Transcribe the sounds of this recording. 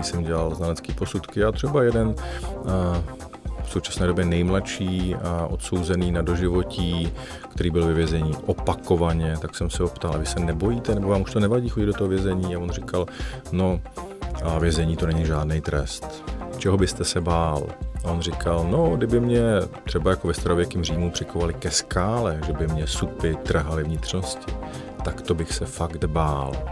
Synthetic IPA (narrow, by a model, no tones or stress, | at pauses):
isɛmɟɛlalznalɛt͡skiːpo̞sut̪kɪjaːt̪r̝̥ɛbajɛdɛn | fso̞wt͡ʃḁsnɛːdobjɛnɛjmlaʃiːʔo̞t̪so̞wzɛniːnado̞ʒɪvo̞ciː | kt̪ɛɾiːbɪlvɛvjɛzɛɲiːʔopako̞vaɲɛt̪aksɛmsɛɦopt̪alʔa̰vɪsɛnɛbo̞jiːt̪ɛnɛbo̞vaːmuʃt̪o̞nɛvaɟiːxo̞ɟɪd̪dot̪oɦovjɛzɛɲiːavo̞nrɪkalno̞ | avjɛzɛɲiːt̪o̞nɛɲiʒaːdnɛjt̪ɾɛ̰st̪ | t͡ʃɛɦo̞bɪst̪ɛsɛbaːlaonrɪkʰalno̞ɡdɪbɪmɲɛt̪r̥ɛbajako̞vɛst̪ɛɾovjɛkiːmriːmupr̥ɪkovalɪkɛskʰaːlɛʒɛbɪmɲɛsupɪt̪r̩ɦalɪvɲɪt̪r̝no̞scɪ | t̪akt̪o̞bɪxsɛfakt̪baːl